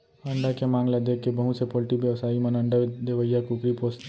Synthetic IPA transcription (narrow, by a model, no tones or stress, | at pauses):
ɐɳɖakemãːŋlad̪ekːebəɦũsepoːlʈibjəʋsaːimenɐ̃ɳɖəd̪eʋəjːakukɾipoːst̪